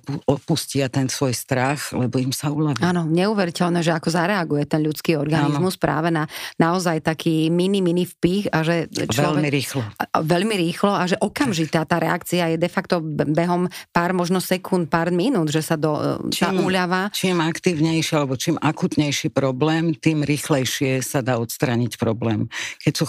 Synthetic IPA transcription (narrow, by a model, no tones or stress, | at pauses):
uɔpuscɪat̪ɛnsʋɔjst̪ɾaxlɛbɔimsauʎaʋaːnɔɲɛuːʋɛɾicɛʎnɛːʒɛakɔzaɾɛaɡujɛt̪ɛnʎut͡skiːɔɾɡaninzmuspɾa̰ːʋɛnanaɔzajt̪akʰiːminiminifpixaʒɛt͡ʃɛlɔʎmiɾiːxlɔʋɛʎmiɾiːxlɔaʒɛʔɔkamʒit̪aːt̪aːɾɛakt͡siajɛd̪ɛfakt̪ɔbɛɦɔmpaːɾmɔʒnɔsɛkʰunt̪̚paɾd̪minuːd̪ʒɛsad̪ɔtt͡ʃamʔuːʎaʋat͡ʃiːmakt̪iʊɲɛjʃialɛbɔt͡ʃiːmʔakut̪ɲɛjʃipɾɔblɛːmt̪iːmɾiːxlɛjʃɪɛsad̪aːɔt̪st̪ɾaɲicpɾɔblɛːmkɛcsu